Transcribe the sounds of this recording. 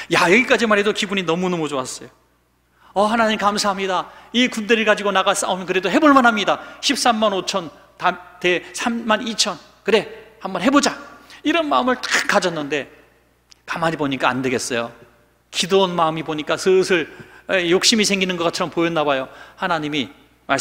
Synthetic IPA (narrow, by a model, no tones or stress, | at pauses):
jajʌɡik͈ad͡ʑimaɾɦe̞dokibuɲinʌmunomod͡ʑowas͈ʌjo | ʌhanaɲimikamsʰaɦamɲidaikundeɾɯɭkad͡ʑiɡonaɡas͈a̰omjʌnkɯɾe̞dohe̞boɭmanɦamɲidaɕʰip̚s͈amːanot͡ɕʰʌn | tate̞sʰamːanit͡ɕʰʌn | kɯɾe̞hambʌnɦe̞bod͡ʑaiɾʌnmaɯmɯɭt͈ḁk͈ad͡ʑʌnːɯnde̞ | kamad͡ʑiboɲik͈aːndeɡe̞ts͈ʌjo | kidoonmaɯmiboɲik͈asɯsʰɯɭejok̚ɕ͈imisʰe̞ŋɡinɯnɡʌk͈at͡ɕʰʌɾʌmpojʌnːabajohanaɲimi | mas